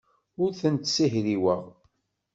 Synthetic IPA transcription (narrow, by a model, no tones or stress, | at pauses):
ʊɾθənt̪siɦɾiwəʁ